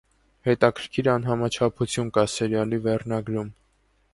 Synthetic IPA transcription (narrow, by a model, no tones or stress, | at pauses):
hɛt̪ɑkʰəɾkʰiɾɑnɦɑmɑt͡ʃʰɑpʰut͡sʰjunkɑsɛɾjɑlivɛrnɑɡɾum